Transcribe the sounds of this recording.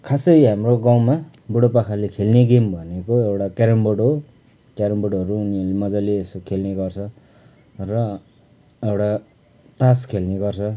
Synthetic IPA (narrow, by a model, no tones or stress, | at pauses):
kʰasʌjɦamroɡaw̃ma | buɽopakʰalekʰelneɡembʱʌnekoewʈakaɾʌmboɽo | kaɾʌmboɽɦʌɾuːniʌlemʌd͡zaleːsokʰelneɡʌrt͡sʰʌ | rʌ | ewʈa | t̪askʰelneɡʌrt͡sʰʌ